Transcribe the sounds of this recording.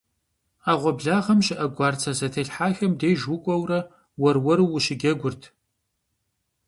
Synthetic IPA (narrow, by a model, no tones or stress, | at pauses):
aːʁʷɔbɮaːʁɐmɕɪʔɐɡʷɑːrt͡sʰɐzɐtʰɐɬħaːxɐmdejʒwʊkʷʼɔwrɐ | wɔrwɔɾɨwʊɕɪɡʲɐɡʷʊrtʰ